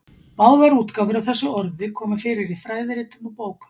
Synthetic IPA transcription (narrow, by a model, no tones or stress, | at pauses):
paːwðaɾuːt̪kaːvʏɾawθɛsːʏɔɾðɪkʰɔːmʏfɪːɾɪɾifɾajðɪɾɪːt̪ʏmawpoːwkʏ̥